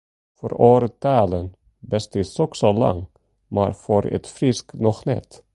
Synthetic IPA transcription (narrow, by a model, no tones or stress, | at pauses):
fɔɾoːɾət̪ʰɑːlən | bɛst̪ɪsɔksɔlɑ̰ŋ | mɑ̰ːɾfɔɾʔɛ̰t̪fɾɪsknɔxnɛ̰t̪